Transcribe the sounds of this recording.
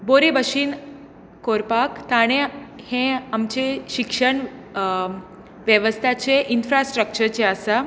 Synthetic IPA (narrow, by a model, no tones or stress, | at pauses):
boɾebəɕiːn | koɾpakt̪aɽ̃ẽhẽamt͡ɕeɕikʂəɳ | ʋjəʋəst̪ʰat͡ɕeʔinfɾasʈɾək̚t͡ɕəɾt͡ɕeasa